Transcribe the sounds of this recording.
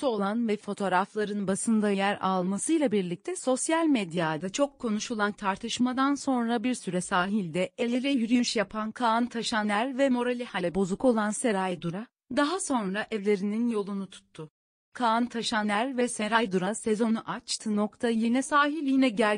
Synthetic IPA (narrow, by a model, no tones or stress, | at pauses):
so̞lˠanvɛfo̞t̪ʰo̞ɾaflˠaɾɯnbasɯnd̪ajæɾa̰lˠmasɯjlˠabiɾlʲic̚t̪ʰɛso̞sjalʲmed̪jad̪at͡ʃʰo̞kʰːo̞nuʃulˠant̪ʰaɾt̪ʰɯʃmad̪anso̞nɾabiɾsyɾɛsaːɦilʲd̪ɛelʲeɾɛjyɾyjynʃjapʰankʰant̪ʰaʃanæɾvɛmo̞ɾalʲihalʲɛbo̞zuko̞lˠanseɾajd̪uɾa | d̪aɦaso̞nɾaʔɛvlʲe̞ɾininjo̞lˠunut̪ʰu̥t̪ʰːʊ | kʰaːnt̪ʰaʃanæɾvɛse̞ɾajd̪uɾase̞zo̞nuʔat͡ʃt̪ʰɯno̞kt̪ʰajenɛsaːɦilʲjinɛɟælʲ